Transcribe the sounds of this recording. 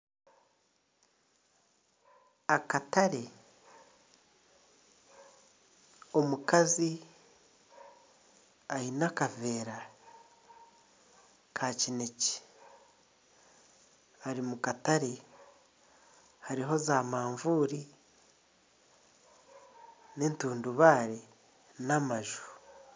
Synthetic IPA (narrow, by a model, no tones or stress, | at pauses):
akataɾe | o̞mukazi | ainakave̞ːɾa | kʰacineci̥ | aɾimukataɾe | haɾiɦo̞zaːmaːɱvuːɾi | ne̞ːntuːnduβaːɾe | namaʒu̥